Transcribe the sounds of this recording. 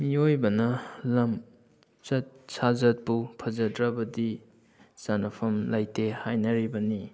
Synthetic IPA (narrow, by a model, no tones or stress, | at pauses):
miojbɐnɐlɐm | t͡ʃɐt̚sazɐt̚pupʰɐzɐtɾɐbɐdi | sanɐpʰɐmlajtehajnɐɾibɐni